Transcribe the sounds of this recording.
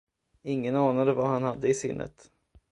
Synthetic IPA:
ɪŋːənɑːnad̪əvahanhad̪ːəɪsɪ̰nːə̰t̪

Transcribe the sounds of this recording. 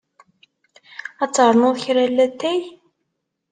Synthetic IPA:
æt͡sːɾˤnʊðçɾælːæt̪ːæj

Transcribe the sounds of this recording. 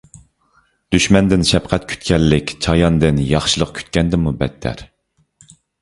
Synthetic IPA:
d̪̥yʃmɛnd̪ɪnʃɛp̚qʰɛt̪̚kʲʰy̥t̪kʲɛlːɪkʲt͡ʃʰɑjɑnd̪ɪnjɑχʃilˠəq̚kʲʰy̥t̪̚kʲɛnd̪ɪmubɛt̪ʰːæ̰ɾ

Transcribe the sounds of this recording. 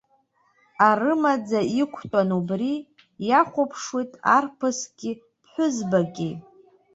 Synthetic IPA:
arɨmad͡zaikʷʰtʼanubri | jaχʷʊpʰʂwitʼa̰rpʰɨsɡʲɪ | pʰħʷᶣʊzbaɡʲi

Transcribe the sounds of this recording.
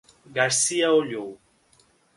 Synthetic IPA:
ɡaɾsiaoʎow

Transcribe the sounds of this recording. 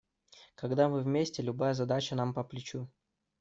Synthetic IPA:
kɐɡd̪amɨvmʲesʲtʲɪlʲʊbajəzɐd̪at͡ɕənampəplʲɪt͡ɕu

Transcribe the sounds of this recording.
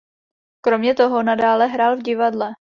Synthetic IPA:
kɾo̞mɲɛt̪oɦo̞nadaːlɛɦɾaːlvɟɪvadlɛ

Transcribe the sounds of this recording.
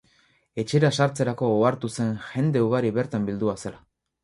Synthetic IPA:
e̞t͡ʃe̞ɾasaɾt͡se̞ɾako̞oaɾt̪use̞nʝe̞nd̪e̞uɣ̞aɾiβe̞ɾt̪ambild̪uasela

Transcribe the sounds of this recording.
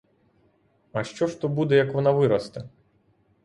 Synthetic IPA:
ɐʃt͡ʃɔʃt̪ɔbud̪ɛjɐkʋɔnaʋɪɾɐst̪ɐ

